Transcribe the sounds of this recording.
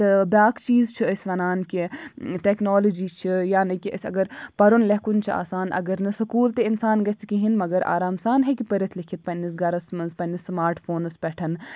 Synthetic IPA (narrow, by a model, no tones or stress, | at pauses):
t̪ɨbjaːkt͡ʃiːzt͡ʃʰiəsʲʋɐnaːnkiʈɛːknoːlod͡ʒit͡ʃʰijaːnɐkiʔə̰sʲɐ̰ɡəɾpɐɾunlɐɦkunt͡ʃʰia̰ːsaːnʔɐ̰ɡəɾnɨsɐkuːlt̪einsaːnɡɐt͡sʰkiɦinmɐɡɐɾʔa̰ːɾaːmsaːnɦɛkipɐɾʲɐt̪ʰlikʰit̪̚pɐnːis̬ɡɐɾɐsmɐnspɐnismaːɾʈfoːnɨspɛʈʰɐn